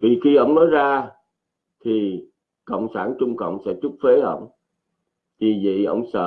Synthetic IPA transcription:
vi˨˩xi˧ʔə˧wŋ͡mnɔ˨˦jzaː˧ | t̪ʰi˨˩ | kə̰˧˨wŋ͡msaː˧˩nt͡ɕʊ˧ŋ͡mkə̰˧˨wŋ͡msɛ̰˧˥t͡ɕu˦˥p̚fe˨˦ʔə̰˧˩wŋ͡m | t̪i˨˩vḭ˧˨ʔə̰˧wŋ͡msə̰ː˧˨

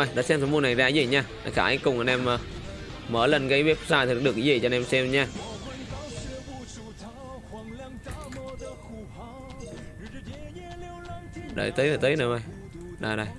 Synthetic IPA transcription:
ə˨˩jɗa̰˧˥sɛ˧msʰɔ˨˧˦mu˧na˨˩jzaː˧˨i˧zə˧˩ɲaː˧˩ɗa̰˧˩xaː˧˩˨ʔa˨˧˦ŋkʊ˨˩ŋ͡mʔa˨nʔɛ˧məː˨˩ | məː˧˩lə˨˩nɣə˨˦jvi˦˥p̚zaː˧˩jt̪ʰi˨˩˦k̚ɗɨ˨˩ək̚ːi˨˦ə˨˩t͡ɕɔ˧nɛ˧msɛ˧m˨˦ɲaː˧˩˧ | ɗə̰˧˩jt̪əː˨˦jnaː˨˩t̪əː˨˦nəː˨˩və˨˧˩j | ɗa˨˩jɗə˧˩j

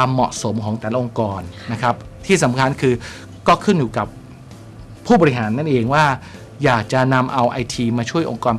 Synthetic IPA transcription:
aː˧mːɔ˨˩ʔso˩˦mkʰɔː˩˦ŋt̪ɛː˨˩la˦˥ʔo˧ŋkɔː˧nːa˦˥kʰa˦˥p̚t̪ʰiː˥˩sa˩˦mkʰa˧nkʰɯː˧ | kɔː˥˩kʰɯ˥˩njuː˨˩ka˨˩p̚ʰː | uː˥˩bɔː˧ɾi˥ɦaː˩˦nːa˥˩nʔeː˧ŋwaː˥˩ | jaː˨˩k̚t͡ɕa˨˩na˧mʔa˧wʔa˧jt̪ʰiː˧maː˧t͡ɕʰu˥˩əjʔo̰˧ŋkɔː˧n

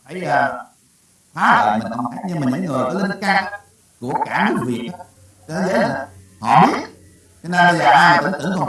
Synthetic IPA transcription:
a˧˩˦jaː˧˩ | faː˨˦lə̰ː˧˨mï˨˩n̟kɔ˧wŋ͡mtʰaː˦˥k̚ɲɨ˧ŋmaː˨˩ɲɨ̰˧˥ŋŋɨ˨˩əjkɔ˨˦li˧nkaː˧ŋ | ku˧˩əkaː˧˩nɗɨ˦˥k̚vi˨˩ət̚ː | kə˧˩˦zə̰˧˦na˨˩ | hɔ̰˧˨ɓi˦˥ət̚ | t͡ɕɔ˧nə˧nɓə˧zəː˨˩ʔaː˧jm˨˩˨ŋt̪ɨ̰˧˩˨ŋkwŋ͡m

